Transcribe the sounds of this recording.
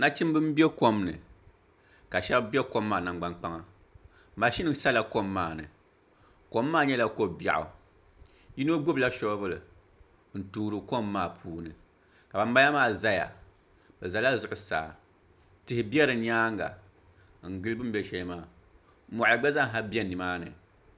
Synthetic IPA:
na˦t͡ʃi˦m˦bɨ˦m˦bɛ˦ko˦mnɨ˨ | ka˨ʃɛ˦bbi˦ɛ˦ko˦mːaː˨na˨ŋɡ͡ba˦ŋk͡pa˦ŋa˦ | ma˨ʃi˦nɨ˨sa˦la˨ko˦mːaː˨nɨ̰˨ | ko˦mːaː˦˨ɲɛ˦la˦ko˦ba̰˨ʔʊ̰˨ | ji˦no˦ɡ͡bo˦bla˦ʃo˦bɨ˦lɨ˨ | n̩˨tuː˦ɾɨ˨ko˦mːaː˦˨pʰuː˦nɨ˨ | ka˨ba˨m˦ba˦ja˦maː˦˨za˦ja̰˨ | b̥ɛ˨za˨la˦zʊ˨ʔʊ˨sa̰ː˨ | tɨ˨hɪ˨bi˦ɛ˦ɾɨ˨˦ɲaː˦ŋɡa̰˨ | ŋ̩˨ɡɨ˦lbɨ˦m̩˦bɛ˦ʃɛ˦lɨ˦maː˦˨˦ | mɔ˨ʔa˨ɡ͡bɛ˦za˦ŋ̩˦ɦa˦bi˦ɛ˦nɨ˨maː˦nɨ̰˨

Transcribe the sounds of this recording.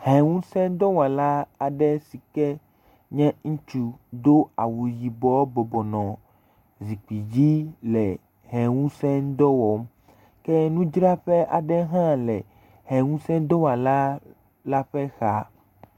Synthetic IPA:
hɛ̃˨wũ˦sɛ̃˦d̪ɔ˦wa˨la˦a˨ɖɛ˦si˨kɛ˦ | ɲɛ̃˦ŋũ˦t͡ʃu˨d̪o˦a˨wu˨ji˨bɔ˨˦bɔ˨bɔ˨nɔ̃˨ | zi˨k͡pi˨d͡ʑi˦lɛ˨ | ɦɛ̃˨wũ˦sɛ̃˦d̪ɔ˦wɔ˨m | kɛ˦nũ˦d͡ʒɾa˦ɸɛ˦ʔa˨ɖɛ˦ɦã˦lɛ˨ | ɦɛ̃˨ŋũ˦sɛ̃˦d̪ɔ˦wa˨la˦ | la˦ɸɛ˦xa˦

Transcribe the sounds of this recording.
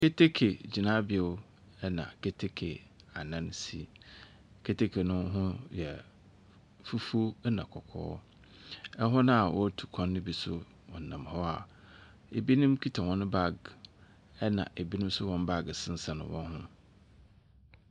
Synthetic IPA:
ke˦tʰe˦kʰe˨d͡ʑi˨nã˦bɪ˨˦e˨˦ | ɛ˦nã̰˨kʰe˦tʰe˦kʰḛ˨a˨nã˦n˦si˦ | kʰe˦tʰe˦kʰe˨nʊ̃˦ɦʊ̃˦jɛ˨ | fu˦fu˦nã̰˨kʰɔ˨kʰɔ̰ː˦ | ɛ˦ɦɔ˦nã˦a˨wɔ˦tʰu̥˨kʰɔ̃˦nːɪ̃˦bi˨sʊ̰˦ | wɔ̃˨n̩˨nã̰˨m˨hɔ˦a˨ | e˨bi˦nɪ̃˦mkʰi˦tʰa˨wɔ̃˨nʊ̃˦ba˦˨ɡ | ɛ˦nã̰˨ʔe˨bi˦nʊ̃˦m˦sʊ˦wɔ̃˦n˦ba˦ɡsɪ˦n̩˦sa˨nʊ̰̃˨wʔɔ̰̃˦n˦hʊ̰̃˦

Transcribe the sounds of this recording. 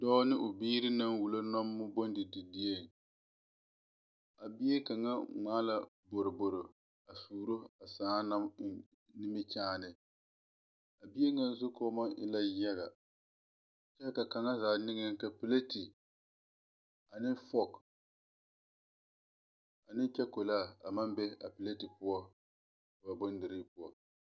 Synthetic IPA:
dɔː˦nɪ˦ʔʊ˨biː˦ɾɪ˦na˦nwu˨lo˦nɔ˦mːʊ˦bo˦ndɪ˨dɪ˨di˦e˦˨ŋ˨ | a˨bi˦e˦ka˨ŋa˦ŋ͡maː˦la˨ | bo˨ɾɪ˨bʊ˨ɾʊ˨ | a˨suː˨ɾo˦a˨saː˨˦na˦mɪ˨n | nɪ˦mɪ˦t͡ʃaː˦nɪ˨ | a˨bi˦e˦ŋa˦n˦zʊ˦kɔː˦ma˦ʔɪ̰˦la˦jɛ˦ɣa˨ | t͡ʃɛ˦lka˨ka˨ŋa˦zaː˨˦˨nɪ˦ŋ˦ka˨pɪ˨le˦ti˨ | a˨nɪ˦fɔ˦k | a˨nɪ˦t͡ʃɛ˦ko˨laː˦˨a˨ma˦mbɛ˦a̰˨pɪ˨le˦ti˨pʊ˦ɔ˦˨ | ba˨bo˦n˦dɪ˨ɾi˦pʊ˦ɔ˨

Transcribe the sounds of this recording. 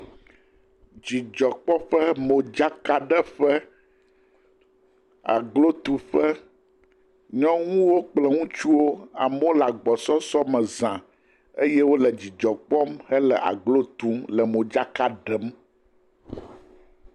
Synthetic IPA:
d͡ʑi˨d͡ʒɔ˨k͡pɔ˦ɸə˦mõ˨d͡ʒa˦ka˦ɖə˦ɸə˦ | a̰˨ɡlo˦t̪u˨ɸə˦ | ɲɔ̃˦ŋũ˦wo˦k͡plə˨ŋũ˦t͡ʃu˦wo˦a̰˨mo˦la˨ɡ͡bɔ˨sɔ˦sɔ˦mə̃˨zã˨ | e˦jɛ˦wo˦lə˨d͡ʑi˨d͡ʒɔ˨k͡pɔ˦mhɛ˦lə˨ʔa̰˨ɡlo˦t̪ũ˦mlə˨mõ˨d͡ʒa˦ka˦ɖə˦m

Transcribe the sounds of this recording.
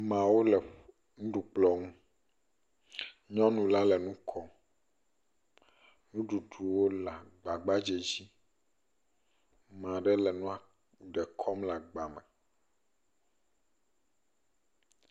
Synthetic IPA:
mã˨wo˦lɛ˨ | nũ˦ɖu˨k͡plɔ˨ŋũ˦ | ɲɔ̃˦nũ˨la˦lɛ˨nũ˦kʰɔ˦ | nũ˦ɖu˨ɖu˨wo˦la˨ɡ͡ba˨ɡ͡ba˦d͡ʒe˨d͡ʑi˦ | mã˨ɖɛ˦lɛ˨nũ˦a˨ | ɖɛ˨kʰɔ˦mla˨ɡ͡ba˨mɛ̃˨

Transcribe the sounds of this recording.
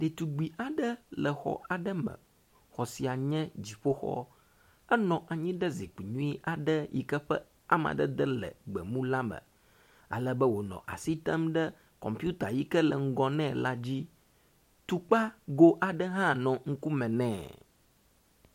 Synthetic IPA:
ɖe˨t̪u˨ɡ͡bi˨ʔa˨ɖə˦lə˨xɔ̰˨ʔa˨ɖə˦mɛ̰̃˨ | xɔ˨si˨a˨ɲɛ̃˦d͡ʑi˨ɸo˦xɔ̰˦ | ɛ˦nɔ̃˨ʔa˨ɲĩ˦ɖə˦zi˨k͡pi˨ɲũ˦i˦ʔa˨ɖə˦jḭ˨kə˦ɸɛ̰˦ | a˦ma̰˨ɖə̰˦d̪ə˦lɛ̰˨ɡ͡bɛ˨mũ˦la˦mɛ̰̃˨ | a̰˨lə˦bə˦wo˨nɔ̰̃˨ʔa̰˨si˦t̪ɛ˦mɖɛ˦ | kɔ̰̃˨mpu˦t̪a˨ji˦kə˦lɛ˨ŋ̩˦ɡɔ˦nɛ̃˦˨la˦d͡ʑi˦ | t̪u˦k͡pa˦ɡo˦ʔa˨ɖə˦ɦã˦˨nɔ̃˨ŋ̩˦ku˦mɛ̃˨nɛ̃ː˦˨

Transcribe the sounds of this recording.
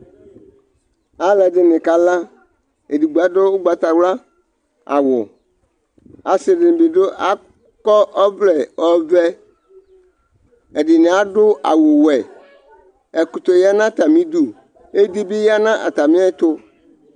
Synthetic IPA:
a˦lɛ˨dɪ˨nɪ̃˨ka˨la˦ | e˨di˨ɡ͡ba˨do˦ɡ͡ba˨t̪a˨wla˦ | a̰˨wʊ̰˨ | a˨sɪ˨dɪ˨nɪ̃˨bi˨ɖo˦ʔa˨ | kɔ˦ʔɔ˦vlɛ˨ɔ˦vɛ˦ | e˨dɪ˨nɪ̃˨a˦ɖʊ˦ʔa̰˨wʊ˨wɛ˨ | ɛ˨ku˨t̪o˨ja˦nã˦t̪a˨mĩ˦d̪u˨ | e˦d̪i˦bi˦ja˦nã˦ʔa̰˨t̪a˨mĩ˦a˦t̪ʊ˦

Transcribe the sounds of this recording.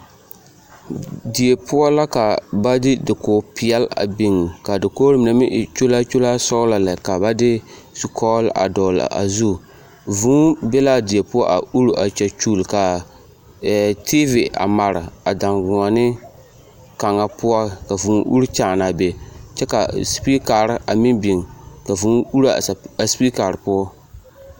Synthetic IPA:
dɪ˨e˨pʰʊ˦a˦la˦ka˨ba˦dɪ˦dɪ˨koː˨pɪ˨ɛ˦la̰˨bɪ˨ŋ˨ka˨dɪ˨koː˦ɾɨ˦mɪ˨na˦mɪ˦ʔt͡ʃo˦la˦t͡ʃo˦laː˦sɔ˦ʊ˦la˨la˨ka˨ba˦dɪ˦su˦kʰɔː˦lʔa̰˨dɔː˨la̰˨ʔa̰˨zu˦˨ | vũː˦bɛ˦la˦dɪ˨e˨pʊ˦a̰˦ʔa˨u˦ɾu˦ʔa˨t͡ʃɛ˨t͡ʃuː˦˨lka˨ | tʰiː˦vɪ˨a̰˨ma˨ɾɪ˨a˨da˨ŋɡʊ̃˨a˨nɪ˦ | ka˨ŋːa˨pʊ˦a˦ka˨vũː˨˦ʔṵ˦ɾt͡ʃa˦˨na˨bɛ˨t͡ʃɛ˦ka̰˨spi˦ka˨ɾɪ˨a˨mɪ˦nbi˨ŋka˨vuː˨˦u˦ɾa˨spi˦ka˨ɾɨ˨pʊ˦a˦

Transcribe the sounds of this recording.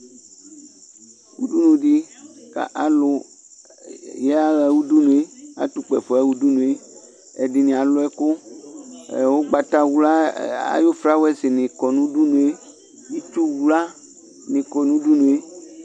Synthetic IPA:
wṵ˦ɖu˦nũ˨ɖi˦ka̰˨ʔa˨lʊ˨ | jɛ˦a˦ɣa˨wu˦du˦nũ˨e˦a̰˨t̪u˨k͡pɛ˨fɔ˨ɛ˦wu˦du˦nũ˨e˦ | ɛ˨dɪ˨nĩ˨a˨lʊ˦ɛ˦kʊ˦ | ɛ̰˨wo˦ɡ͡ba˨t̪a˦wu˨˦la˦a̰˨jo˦fɾa˦wɛ˦sɪ˨nɪ̃˨kɔ˨nũ˦du˦nũ˨e˦ | ji˦t̪u˦wu˨la˦ | nɪ̃˨kɔ˨nũ˦du˦nũ˨e˦

